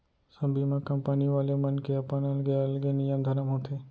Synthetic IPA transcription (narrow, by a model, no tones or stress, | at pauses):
səbʱimãkɐmpəniʋaːlemənkeɐpãnəlɡeəlɡenijəmd̪ʱɐɾəmɦot̪ʰeː